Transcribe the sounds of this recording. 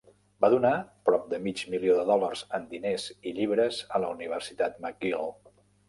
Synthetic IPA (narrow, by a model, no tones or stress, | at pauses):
baðunapɾɔp̚d̪əmid͡ʒmilioðəðɔlərz̥ənd̪ineziʎiβ̞ɾəzələuniβ̞ərsit̪at̪məɡ̚ɡil